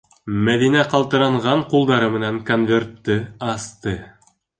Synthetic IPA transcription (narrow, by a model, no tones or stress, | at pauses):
mæðinæqɑlˠt̪ɤ̆ɾɑɴʁɑɴqulˠd̪ɑɾɤmɘ̆næŋkonvʲe̞rt̪ːɘɑst̪ɤ